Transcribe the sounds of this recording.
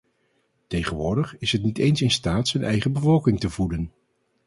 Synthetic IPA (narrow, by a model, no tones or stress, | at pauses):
tejχənʋʊːɹdəχɪsɦətnitejnsɪnstaːtsənʔɛ̰jχəbəvɔlˠkɪŋtəvudən